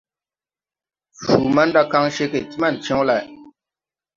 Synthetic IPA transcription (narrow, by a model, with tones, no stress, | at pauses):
fu˨ma˦n˦da˦ka˦ŋʃe˦ke˨ti˦ma˦˨n̩˨t͡ʃɛ̃˦ŋ˦la˨